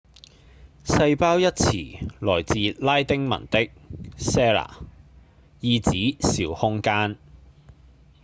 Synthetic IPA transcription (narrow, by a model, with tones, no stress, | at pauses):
sɐ˧jpaː˥wjɐ˥t̚t͡sʰiː˨˩lɔː˨˩jt͡siː˨˧laː˥jt̪ɪ˥ŋmɐ̰˨˩nt̪ɪ˥k̚sɛː˥la̰ː˨˩ | jiː˧t͡siː˨˥siː˨˧whʊ˥ŋkaː˥n